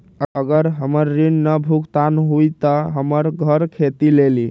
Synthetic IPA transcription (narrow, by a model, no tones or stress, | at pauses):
əɡəɾɦəməɾːinːəbʱukt̪anɦujt̪əɦəməɾɡʱəɾkʰet̪ileli